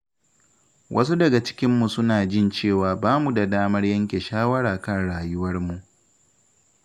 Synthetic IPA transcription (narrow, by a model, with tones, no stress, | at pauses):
wʔɐ̰˦s̬u˦dɐ˨ɡa˨t͡ʃɪ̥˦kʲɪ˦mːu˨sʊ˦naː˨d͡ʒɪ˦˨nt͡ʃeː˦˨waː˨baː˦mu˨da˨daː˦mɐ˦rjɐ˦ŋkʲe˨ʃaː˦wɐ˦ɽaː˨kɐ˦˨nɽaː˨jʊ˦wɐ˦rmu˨ʔ